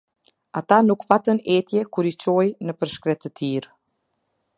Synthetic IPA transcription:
at̪anukpat̪ənɛt̪jɛkuɾit͡ɕɔjnəpəɾʃkɾɛt̪ət̪ʰiɾ

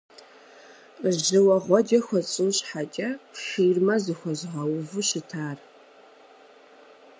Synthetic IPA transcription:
ʒɨwɐʁʷɔdɐxʷɔt͡sʼɨwɕħat͡ʃʲʼɐxiːrmɐzɨxʷɔzʁɐwvɨɕɨtʰaːr

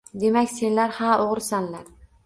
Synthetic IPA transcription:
d̪e̞makʲse̞nlaɾhaoʁɾsanlaɾ

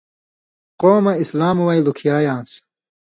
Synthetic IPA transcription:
qoːmɐislaːmwɐjlukʰijaːjãːs

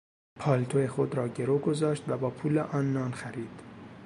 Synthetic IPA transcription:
pʰɒːlt̪ʰoexod̪ɾɒːɟeɾoɡozɒːʃt̪væbɒːpʰuːleʔɒːnːɒːnxæɾiːd̪̥

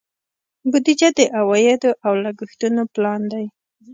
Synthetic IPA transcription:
bʊd̪id͡ʒad̪əʔawɑjɪd̪oʔawlaɡixt̪unoplɑnd̪aj

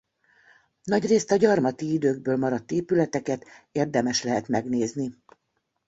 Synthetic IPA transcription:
nɒɟreːst̪ɒɟɒrmɒt̪iid̪øːɡ̚bøːlmɒɾɒt̪ːeːpylɛt̪ɛkɛt̪eːrd̪ɛmɛʃlɛɦɛt̪mɛɡneːzni

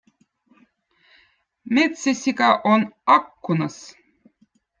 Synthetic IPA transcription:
mʲet̪sæsʲikɑʔonɑkːunɤs

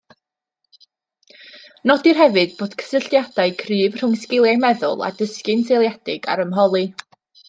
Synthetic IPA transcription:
nɔdirɦɛvɨd̥̚b̥oːd̥kʰə̥səɬjad̥aɨkʰrɨːv̥r̥ʊŋskɪlˠjajmɛðʊ̰lˠa̰dəskɨntʰejlˠjadɪɡa̰ɾəmɦɔlˠi

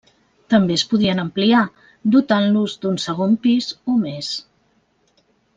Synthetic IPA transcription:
t̪əmbeəspuðiənəmplia | d̪ut̪anluzd̪unsəɣ̞ompizomes

